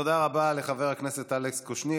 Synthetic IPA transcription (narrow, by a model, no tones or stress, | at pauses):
od̪aʁabale̞χave̞ʁhakneset̪alekskoʃni